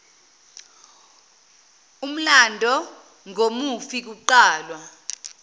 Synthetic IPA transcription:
um̩landʱɔ | ŋʱomufik̬uǃaːlwa

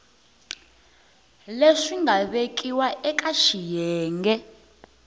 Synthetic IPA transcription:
leʂiŋɡʱaɓek̬ʼiwaʔɛk̬ʼaʃijɛːŋɡɛ

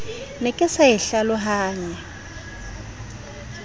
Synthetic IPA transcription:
nɛkʼɛsajɪɬalɔɦaːɲɛ

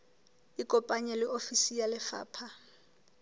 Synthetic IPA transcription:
ikʼɔpʼaɲɛlɪofisijalɪfa̰ːpʰa

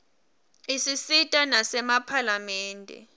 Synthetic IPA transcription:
isisitʼanasɛmapʰalamɛːndʱɛ̰

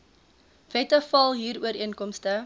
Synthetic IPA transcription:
v̥ɛtəfɐlˠɦiːɾuəɾiənkɔmstə

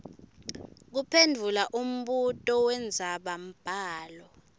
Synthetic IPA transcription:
k̬upʰendʱulaʔum̩ɓutʼɔwɛnd͡zʱaɓam̩b̥ʱaːlɔ

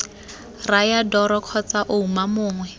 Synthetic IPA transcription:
rajadɔɾɔkʰɔt͡saʔoumamʊːŋwɛ

